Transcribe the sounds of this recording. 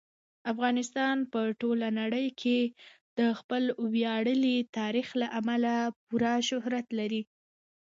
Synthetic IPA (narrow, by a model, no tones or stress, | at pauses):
afɣɑnɪst̪ɑnpəʈolanaɽəjkʰed̪̥əxpəlwjɑɽəlit̪ɑɾixlaʔamalap̚uɾaʃʊhɾat̪laɾi